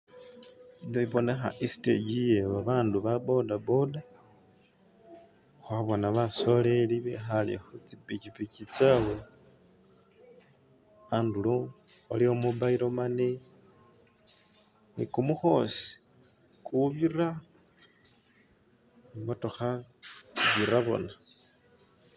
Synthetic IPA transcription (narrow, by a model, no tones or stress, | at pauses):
inoiβo̞ne̞xa̰ʔisi̥tḛɟijeβaβaːnduβabo̞dabo̞da | xwaβonaβaso̞le̞liβḛxalḛxut͡sipicipicit͡sawe̞ | andulo | oliomubaiɾo̞mane | nḭkumuxo̞si̥ | kuβira | motoxat͡siβiɾaβo̞̰na